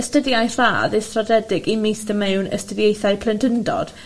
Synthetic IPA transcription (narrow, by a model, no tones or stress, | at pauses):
əstədjajr̥a̰ːðejstrɔdɛdɪɡimijstəmɛwnə̰stəðjejθajpʰlˠɪndəndɔ̰d̥